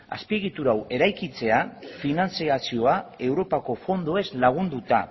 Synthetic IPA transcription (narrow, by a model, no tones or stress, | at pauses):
a̰spiɣit̪uɾawe̞ɾajkit͡se̞afinant͡siasio̞ae̞wɾo̞pako̞fo̞nd̪oe̞zlaɣ̞und̪ut̪a